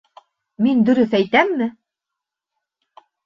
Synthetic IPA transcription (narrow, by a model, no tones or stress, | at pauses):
mind̪ɵ̆ɾɵθæjt̪æmːɘ